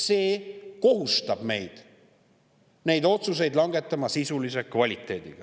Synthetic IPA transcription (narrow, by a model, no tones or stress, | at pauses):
se̞ːko̞ɦust̪ɑb̥me̞jd̪̥ | ne̞jd̪o̞t̪sus̬e̞jd̪lɑŋɡe̞t̪ːˑɑmɑsisulise̞kvɑlʲit̪ːˑe̞ːd̪̥iɡ̥ɑ